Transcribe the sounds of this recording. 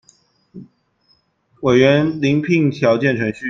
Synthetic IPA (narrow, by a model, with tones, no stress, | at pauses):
we˨˩ɪɥɛ˧˥nli˧˥ŋpʰi˥˧ŋt̪ʰjɑ˧˥ʊt͡ɕjɛ˥˩nʈ͡ʂʰɤ˧˥ŋɕy˥